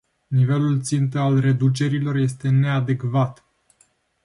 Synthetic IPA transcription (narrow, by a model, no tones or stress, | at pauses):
nive̞lult̪sint̪əalre̞d̪ut͡ʃe̞ɾilo̞rje̞st̪e̞ne̞ad̪ekvat̪